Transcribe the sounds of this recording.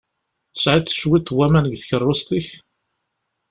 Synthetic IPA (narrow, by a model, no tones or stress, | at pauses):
θə̥sʕit̪θə̥ʃwit̪ːwæmænəɡθəçərˤːʊst̪iç